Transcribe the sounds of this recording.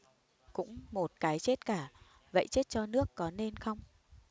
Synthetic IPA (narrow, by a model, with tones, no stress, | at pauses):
kʊ̰˧˥ŋ͡mmo˨˩t̚kaː˨˦jt͡ɕe˦˥t̚kaː˧˩ | və̰˧˨jt͡ɕe˦˥t̚t͡ɕɔ˧nɨ˦˥əkːɔ˨˦ne˧nxə˧wŋ͡m